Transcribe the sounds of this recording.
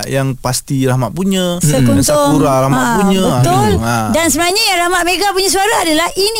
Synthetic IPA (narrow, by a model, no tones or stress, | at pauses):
jaŋpast̪iɾahmaʔ̚puɲə̃səkunt̪əʊŋuɾaɾaɦmapuɲə̃bət̪ʊladansəbənaɲajaɾahmaʔ̪̚meɡapuɲãs̬uaɾaːdalahʔini